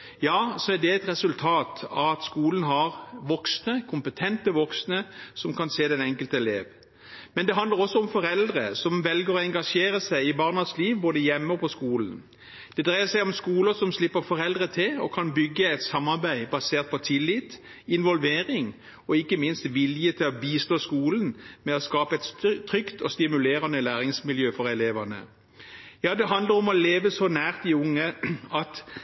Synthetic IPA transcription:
jɑːsɔæɖ̪ɛɛt̪ɾɛsʉlt̪ʰɑːt̪ɑ̰ʋɑt̪skuːlən̩ɦɑʁʋɔksnəkʰʊmpət̪ʰɛnt̪əʋɔksnəsɔmkʰɑnseːd̪ɛnɛŋkəlt̪əɛleːʋ | mɛnd̪ɛɦɑnd̪ləʁɔsːɔɔmfɔɾɛld̪ʁəsɔmʋɛlɡəʁɔɛŋɡɑʂeːɾəsæɪɪbɑːʁnəsliːʋboːd̪əjɛmːəɔpʰɔskuːlən | d̪̥ɛd̪ɾʁæɪəsæɪɔmskuːləsɔmslɪpːəɾfɔɾɛld̪ʁət̪ʰɪlɔ̰kʰɑnbʏɡːəɛɪt̪sɑmːɑʁbæɪbɑseːʁt̪̚pʰɔt̪ʰɪlːɪt̪ | ɪnʋɔlʋeːʁɪŋ | ɔɪkːəmɪnst̪ʋɪljət̪ʰɪlɔbiːst̪oːskuːlən̩mɛɔskɑːpəɛt̪t̪ʰʁʏkt̪ʰɔst̪ɪmʉleːʁɑnəlæːʁɪŋsmɪljøːfɔʁɛleːʋɑnə̰ | jɑːd̪ɛɦɑnd̪ləɾɔmɔleːʋəsɔnæːʁt̪̚d̪ɪʊŋːəɑt̪

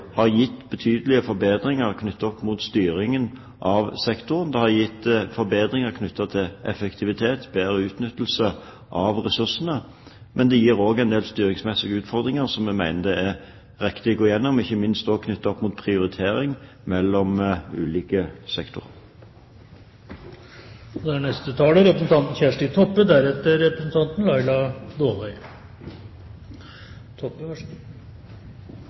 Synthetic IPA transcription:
hɑʁjɪt̪ːbət̪ʰyːd̪əlɪəfɔɾbeːd̪ɾɪŋəʁkʰnʉt̪ːɔpːmuːt̪st̪yːɾɪŋən | ʔɑʋsɛkt̪ʊɾənd̪ɛhɑjɪt̪ːfɔɾbeːd̪ɾɪŋəʁkʰnʉt̪ːɑt̪ʰɪlʔɛfɛkt̪ʰɪʋɪt̪ʰeːt̪beːɾəʉːt̪nʏt̪ːl̩sə | ʔɑʋʁɛsʉʁʂənə | mʔɛnd̪ɛjiːɾoːɡæɪnd̪eːlst̪yːɾɪŋsmɛsɪɡʉːt̪fɔʁd̪ɾɪŋəʁsɔmɛmæɪnəd̪ɛæʁ | ʁɪkt̪ɪɔɡoːjɛnːɔmɪçːəmɪnst̪ɔːkʰnʏt̪ːəɔpːmuːt̪̚pʰʁɪʊʁɪt̪ʰeːɾɪŋ | mɛlːɔmʉ̰ːliːkəsɛkt̪ʊ̰ʁə̰ | d̪ɛæɳɛst̪ət̪ʰɑːləɾɛpɾəsn̩t̪ʰɑnt̪n̩çæʂʈit̪ʰɔpːəd̪æɾɛt̪ːəɾɛpɾəsn̩t̪ʰɑnt̪n̩lɑɪlɑd̪oːʋæɪ | t̪ʰɔpːə

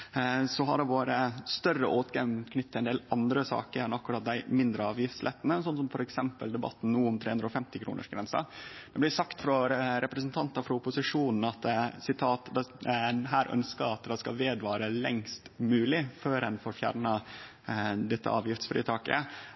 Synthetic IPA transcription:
sɔɦɑ̰ɖɛʋoːɾəst̪œrəʔoːt̪ɡɑmkʰnʏt̪ːɛnd̪eːlʔɑnd̪ɾəsɑ̰ːkəɾɛnɑkʉɾɑːt̪̚d̪æɪmɪnd̪ɾəɑːʋjɪft̪slɛt̪ːənəsɔnːsɔmfɔɾɛksɛmpəld̪ɛbɑ̰t̪ːn̩nuːʊmt̪ʰɾeːʉnɾɔːfɛmt̪ɪkʰɾṵːnʔə̰ʂɡɾɛnsɑ̰d̪̥ɛblɪsɑkt̪fɾɔɾɛpɾəsənt̪ʰɑnt̪əɾfɾɑʊpʊsɪʂuːnn̩ɑt̪sɪt̪ʰɑːt̪d̪ɑɦæːɾʔœ̰nskəɾɑt̪d̪ɛskɑʋeːd̪ʋɑːɾəlɛ̰ŋst̪mʉːlɪføːɾɛnfoɾfjæ̰ːɾɳə | d̪ɛt̪ːə̰ɑ̰ːʋjɪft̪sfɾḭːt̪ʰɑːkə̰

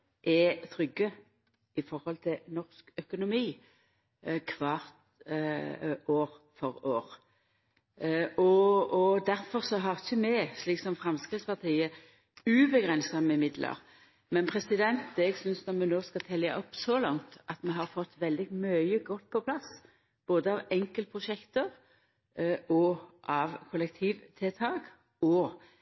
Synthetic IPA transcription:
ʔɛt̪ʰɾʏɡːə | ɪfɔɾhɔlt̪ʰɪlnɔʁskœkʊnʊmiː | kʰʋɑːʁt̪ | oːʁ | fɔɾoːʁ | ɔɔd̪æɾfɔʁsɔɦɑʁɪçəmɛsliːksɔmfɾɑmskʁɪt̪spɑʁt̪ʰiːə | ʉbəɡʁɛnsɑməɪmɪd̪lʔə̰ʁ | mɛnpʰʁɛsɪd̪ɛnt̪ɛɡsʏnsnɔʁmɛnoːskɑt̪ʰɛljɑ̰ʔɔpːsɔlɑŋt̪ʔɑt̪mɛɦɑʁfɔt̪ːʋɛld̪ɪmœʏəɡɔt̪̚ːpʰɔpʰlɑs | b̥oːd̪əɑʋɛŋkəlt̪əpʰʁʊʃɛkt̪əʁ | ɔʔɑʋkʰʊlɛk̚t̪ʰiːʋt̪ʰɪt̪ʰɑːk | ɔː

